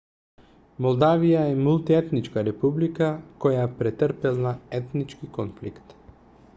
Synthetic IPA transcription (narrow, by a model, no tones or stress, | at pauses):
mɔlˠd̪avijaɛmulˠt̪iɛt̪nit͡ʃkaɾɛpublikakɔjapɾɛt̪əɾpɛlˠnaɛt̪nit͡ʃkikɔnflikt̪